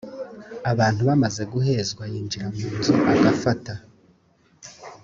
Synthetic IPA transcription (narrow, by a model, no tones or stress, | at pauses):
aβaːnthuβamaze̞ɡuɦe̞ːzɡwajiːɲd͡ʒiɾamuːnzoʔaɡafata